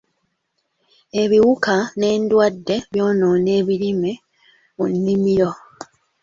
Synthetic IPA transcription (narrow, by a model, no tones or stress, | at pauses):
e̞βiwukane̞ːndwadːe̞βjo̞ːnoːne̞ːβilime | munːimiɾo